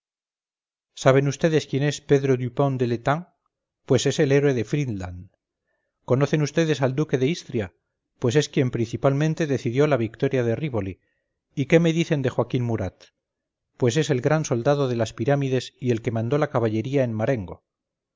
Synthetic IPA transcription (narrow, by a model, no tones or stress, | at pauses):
saβ̞e̞nust̪e̞ðe̞skje̞ne̞spe̞ðɾo̞ðupo̞nd̪e̞let̪aŋ | pwe̞se̞se̞le̞ɾwe̞ðe̞fɾinlan | ko̞no̞θe̞nust̪e̞ðe̞sald̪uke̞ðeist̪ɾja | pwe̞s̬e̞skje̞mpɾin̟θipalmẽ̞nt̪e̞ðe̞θiðjo̞laβik̚t̪o̞ɾjaðe̞riβoli | ike̞me̞ðiθe̞nd̪e̞xwakinmuɾat̪ | pwe̞s̬e̞se̞lɣɾanso̞ld̪að̞o̞ðe̞laspiɾamiðe̞sie̞lke̞mãnd̪o̞lakaβaʎe̞ɾiaenmaɾe̞ŋɡo̞̰